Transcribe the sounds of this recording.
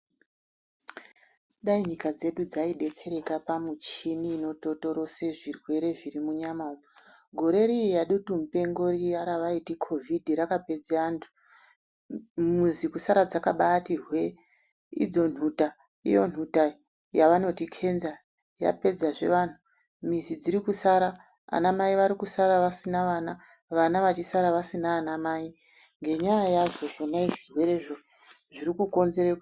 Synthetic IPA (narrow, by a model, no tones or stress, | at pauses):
ɗaiɲikad͡ze̞ɗud͡zaiɗe̞t͡se̞ɾe̞kapamut͡ʃiniːno̞to̞to̞ɾo̞se̞ʐirwe̞ɾe̞ʐiɾimuɲamao | ɡʱo̞ɾe̞ɾiijaɗutumupe̞ŋɡo̞rijaɾaʋaitikʰo̞vʱidʱiɾakaped͡zantʰu̥ | muzikusaɾad͡zakaɓatirwe̞ | ḭd͡zo̞n̤uta | ḭjo̞̰n̤uta | jaʋano̞tikʰe̞nza | ja̰pe̞d͡zaʐe̞̰ʋaːn̤u | mizid͡ziɾikusaɾa | a̰namaiʋaɾikusaɾaʋasinaʋana | ʋanaʋat͡ʃisaɾaʋasinaːnamai | ŋɡe̞ɲajajaʐo̞ʐonaiʐirwe̞ɾe̞ʐo | ʐiɾikuko̞nze̞ɾek